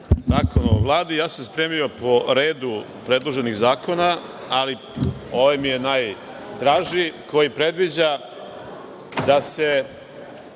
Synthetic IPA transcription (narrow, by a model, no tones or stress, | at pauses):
zaːkonoo̰ʋlˠaːd̪ijaːsaspɾeːmijo̞po̞ɾeːd̪u | pɾe̞d̪lˠoʒe̞niɣzaːko̞na | ali | oʋajmije̞naj | t̪ɾaːʒiko̞jipɾe̞d̪ʋid͡ʑa | d̪ase̞